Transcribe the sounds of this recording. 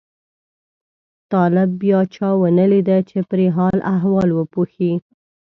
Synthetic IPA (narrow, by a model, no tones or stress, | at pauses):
t̪ɑlɪbːjɑt͡ʃɑwənəlid̪at͡ʃepɾeɦɑlʔaɦwɑlwəpuxi